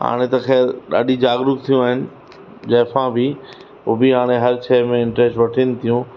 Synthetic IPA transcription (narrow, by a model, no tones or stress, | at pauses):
ɦa̰ːɽ̃et̪ɐxɛːlɗa̰ːɗĩd͡ʑaːɡɾʊk̚t̪ʰijũaːɦɪnɪ̆ | d͡ʑɐːfãbɪ | oːbiɦaːɽ̃eɦɐɾt͡ɕʰɛːɦmẽɪ̃ɳʈɾeːsʈʋɐʈʰɪnɪ̆t̪ʰijũ